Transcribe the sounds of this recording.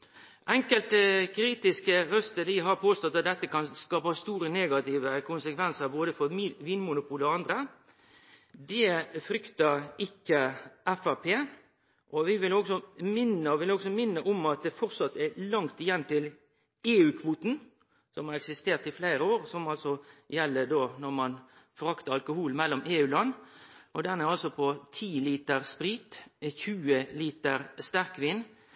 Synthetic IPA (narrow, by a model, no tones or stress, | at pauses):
ʔɛŋkəlt̪kʰɾiːt̪ɪskəɾœst̪əd̪ɪɦɑɾpʰoːst̪ɔt̪ːɑt̪̚d̪ɛt̪ːəkʰɑnskɑːpɑst̪uːɾəneːɡɑt̪ɪːʋəkʰʊnsəkʰʋɛnsəɾboːd̪əfɔɾʋiːnmʊnʊpʰuːləɑnd̪ɾə | d̪ɛfɾʏkt̪ɑɪkːəʔɛfɑpʰeː | ʔɔʋɪʋɪlɔɡsɔmɪnːəɔʋɪlɔɡsɔmɪnːəʔɔmɑt̪̚d̪ɛfɔɾsɑt̪ːɛlɑŋt̪ɪjɛnt̪ɪl | eːʉːkʰʋuːt̪n̩ | sɔmhɑɾɛksɪst̪eːʁt̪ɪflæɪɾəoːɾsɔmɑlsɔjɛlːəd̪oːnɔɾmɑn | fɔʁɑkt̪əɾɑlkʊhuːlmɛlːɔmeːʉːlɑnːʔɔd̪ɛnɛɾɑlsɔpʰɔt̪ʰiːliːt̪əɾspɾiːt̪çʉːəliːt̪əɾst̪æʁkʋiːn